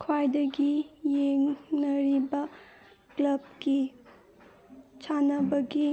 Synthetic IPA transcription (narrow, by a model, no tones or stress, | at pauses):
kʰwajdɐɡijeŋnɐɾibɐ | klɐb̚ɡi | t͡ʃʰanɐbɐɡi